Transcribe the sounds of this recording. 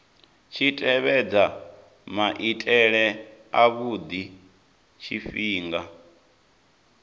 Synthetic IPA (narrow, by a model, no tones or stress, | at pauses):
t͡ʃʰitʼɛβɛd͡za | maʔitʼɛɺɛaβud̪i | t͡ʃʰifiːŋɡa